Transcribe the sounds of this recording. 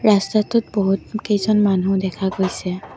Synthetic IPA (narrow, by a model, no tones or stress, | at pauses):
ɹastatʊt̚boɦutkejzɔnmanudɛkʰaɡojsɛ